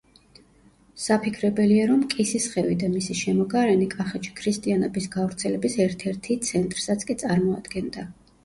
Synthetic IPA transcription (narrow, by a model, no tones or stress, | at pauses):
sapʰikʰɾɛbɛliaɾɔmkʼisisχɛvid̪amisiʃɛmɔɡaɾɛnikʼaχɛt͡ʃʰi̥kʰɾist̪ʼianɔbisɡavɾt̪sʰɛlɛbisɛɾt̪ʰɛɾt̪ʰit̪sʰɛnt̪ʼɾsat̪sʰkʼit̪sʼaɾmɔa̰d̪ɡɛnd̪a